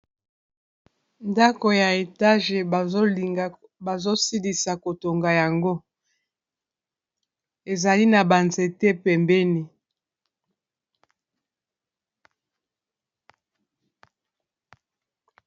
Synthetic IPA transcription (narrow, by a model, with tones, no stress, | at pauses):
nda˦ko˨ja˨e˨ta˦ʒe˨˦˨ | ba˨zo˦si˦li˨sa˨ko˨to˨ŋɡa˨ja˨ŋɡo˦ | e˨za˨li˦na˨ba˨nze˨te˦pɛ˨mbɛ˦ni˨